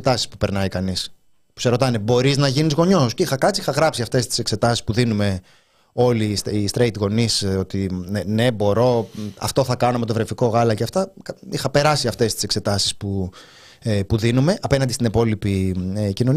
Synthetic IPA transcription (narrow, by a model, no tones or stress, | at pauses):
t̪ɐsispu̥pe̞ɾnɐikɐnis | pu̥se̞ɾo̞t̪ɐne̞bo̞ɾiznɐʝinizɣo̞ɲo̞sceixɐkɐt͡sixɐɣɾɐpsiɐft̪e̞st̪i̥se̞kse̞t̪ɐsi̥spuðinume̞ | o̞lisist̪ɾejt̪ɣo̞niso̞t̪inene̞bo̞ɾo̞ɐ̰ft̪o̞θɐkɐnome̞t̪o̞vɾe̞fiko̞ɣɐlɐceɐft̪ɐkixɐpe̞ɾɐsiɐft̪e̞st̪i̥se̞kse̞t̪ɐsi̥spu | puðinume̞ʔɐpe̞nɐnd̪ist̪inepo̞lipicino̞n